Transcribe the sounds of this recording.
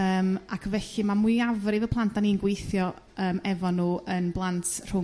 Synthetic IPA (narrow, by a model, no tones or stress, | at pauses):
əːmakʰvɛɬimamwɨɨavɾɪvəpʰlˠantʰaniənɡwejθjɔ | əːmɛvɔnuːʔənblˠantʰr̥ʊ